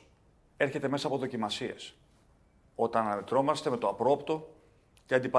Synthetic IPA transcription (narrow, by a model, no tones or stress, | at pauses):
e̞ɾçe̞t̪e̞me̞sɐːpoðo̞cimɐsie̞̰s | o̞t̪ɐnɐnɐme̞t̪ɾo̞mɐst̪e̞me̞t̪o̞ɐpɾopt̪o̞ | ce̞ɐnd̪ipɐ